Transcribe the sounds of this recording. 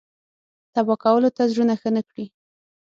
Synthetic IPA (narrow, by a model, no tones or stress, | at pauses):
t̪abɑkawəlot̪azɾunaxənəkɽi